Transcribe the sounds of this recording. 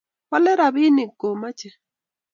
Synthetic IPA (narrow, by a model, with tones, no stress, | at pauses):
pɔ˦lɛ˦ɾa˨bi˦nɪ˨ɡo˨ma˦t͡ʃɛ˨